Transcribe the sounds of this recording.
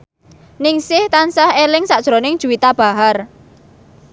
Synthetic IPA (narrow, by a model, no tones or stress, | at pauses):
nɪŋsɪht̪ansahelɪŋsaʔd̥ʒ̥ɾonɪŋ̥ʒ̥ṳwit̪ab̥a̤ɦar